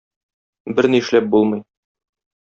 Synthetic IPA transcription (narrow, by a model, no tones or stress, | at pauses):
bɘɾnɘɘ̆ʃlæp̚bulˠmɤ̆j